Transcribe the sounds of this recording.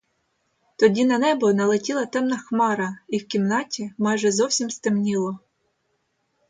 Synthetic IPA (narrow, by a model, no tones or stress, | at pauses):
t̪ɔdʲinɐnɛbɔnɐlˠetʲilˠɐt̪ɛmnɐxmɑɾɐiwkʲimnɑtʲimɑjʒɛzɔwsʲimst̪emnʲilˠɔ